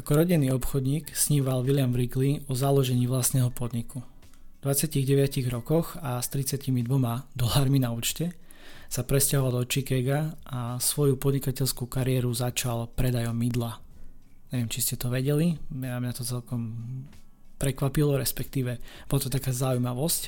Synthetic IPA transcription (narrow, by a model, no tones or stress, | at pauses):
akɔɾɔɟinːiːɔpxɔd̪ɲiːksɲiːʋalʋilɪamvɾiɡliɔzalɔʒɛɲiːʋlast̪nɛːɦɔpɔd̪ɲiku | d̪ʋat͡sɪaciɣɟɛʋɪaciɣɾɔkɔxast̪ɾit͡sɪacimid̪ʋɔmad̪ɔlaːɾminauːt͡ʃcɛ | sapɾɛscaɦɔʋald̪ɔt͡ʃikɛɡaasʋɔjupɔd̪ɲikacɛʎskukaɾɪɛɾuzat͡ʃalpɾɛd̪ajɔmid̪la | ɲɛʋɛmt͡ʃiscɛt̪ɔʋɛɟɛliamɲat̪ɔt͡sɛlkɔm | pɾɛkʋapilɔɾɛspɛk̚t̪iːʋɛbɔlat̪ɔt̪akaːzaujmaʋɔsc